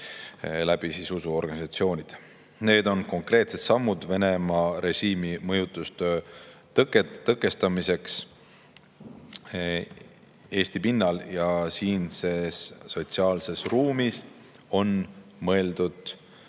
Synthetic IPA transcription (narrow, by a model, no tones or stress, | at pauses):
læb̥isisusuo̞rɡ̥ɑnisɑt̪sio̞ːnʲid̪̥ | ne̞ːd̪o̞nko̞ŋkre̞ːt̪se̞t̪sɑmːud̪̥ve̞ne̞mɑɾe̞ʒiːmimɤjut̪ːˑust̪øt̪ket̪ːɤkːˑe̞st̪ɑmise̞ks | e̞ːsʲt̪ipinːɑljɑsiːnse̞sːo̞t̪siɑːlse̞sruːmis | o̞nmɤ̞e̞ld̪̥ud̪̥